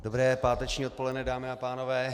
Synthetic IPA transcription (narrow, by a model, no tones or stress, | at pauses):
dobɾɛːpaːt̪ɛt͡ʃɲiːot̪̚polɛdnɛdaːmɪapaːnovɛː